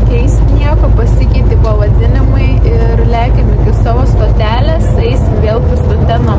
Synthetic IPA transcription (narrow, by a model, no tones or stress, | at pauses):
kʲɛɪsʲ | nʲiɛkoːpɐsʲɪkʲɛɪt̪ʲiːpɐʋɐd̪ʲɪnʲɪmɐɪ | ɪ | rlʲæːkʲɪnʲɪkʲɪsɑːʋoːst̪oːt̪ʲæːlʲeːsɛɪsʲʋʲeːlˠpɪst̪ɐt̪ʲɛno